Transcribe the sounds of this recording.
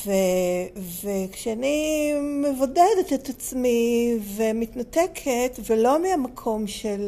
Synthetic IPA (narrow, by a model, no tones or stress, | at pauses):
vevekʃeanimevodedetetat͡smivemitnatekʰetvelo̞meamakʰo̞mʃel